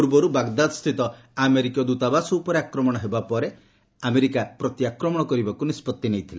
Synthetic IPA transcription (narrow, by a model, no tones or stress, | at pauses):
uɾbɔɾubaɡd̪ad̪ɔst̪ʰit̪ɔ | ameɾikɔd̪ut̪abasɔupɔɾeakɾɔmɔɽ̃ɔɦebapɔɾe | ameɾikapɾɔt̪jakɾɔmɔɽ̃ɔkɔɾibakunispɔt̪ːinejt̪ʰile